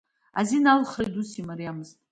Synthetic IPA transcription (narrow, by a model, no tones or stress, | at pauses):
a̰zinalχrajdusimaɾijamɨztʼ